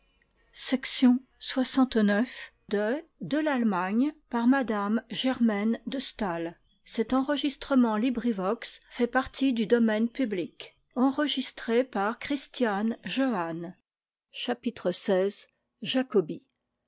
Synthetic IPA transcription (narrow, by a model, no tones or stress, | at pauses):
sɛksjɔ̃swasɑ̃t̪nœf | d̪əd̪əlalmaɲpaʁmad̪amʒɛʁmɛnd̪əst̪al | sɛt̪ɑ̃ʁəʒist̪χəmɑ̃libʁivɔksfɛpaʁt̪ʰid̪yd̪ɔmɛnpyblik | ɑ̃ʁəʒist̪χepaʁkχist̪janʒoan | ʃapit̪χəsɛz | ʒakɔbi